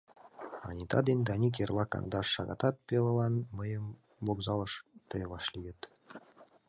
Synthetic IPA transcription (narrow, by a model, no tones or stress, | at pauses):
ɑ̰nʲit̪ɑd̪enʲd̪ɑnʲik̬ʲerlˠɑkɑ̰nd̪ɑʂːɑ̰ɡɑ̰t̪ɑt̪̚pʲelˠɤ̆lˠɑnməjə̆m | voɡzɑlˠɤ̆ʃt̪ɤjβɑʃlʲijə̆t̪